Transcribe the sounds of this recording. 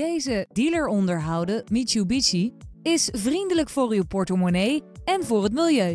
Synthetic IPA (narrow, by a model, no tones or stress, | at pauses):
ejzədiləɹɔndəɹɦʌwdəmitubit͡ʃiɪsvrindələkfʊːrywpɔɹtəmonejɛnvʊːɹɦətmilˠjøɥ